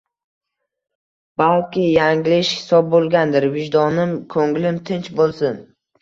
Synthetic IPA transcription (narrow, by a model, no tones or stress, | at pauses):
b̥alˠkʲɪjaŋlɪʃhɪ̥sɒb̚bolˠɡʲand̪ɪɾvɪd͡ʒd̪ɒnɪmkʰɵŋlɪmt̪ʰɪnt͡ʃbolˠsɪn